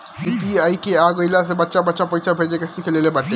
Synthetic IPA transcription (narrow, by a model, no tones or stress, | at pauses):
pipiajkeaɡojlas̬ebatːʃabɔtːʃapojsʰabʱed͡ʑekesikʰelelebaʈːe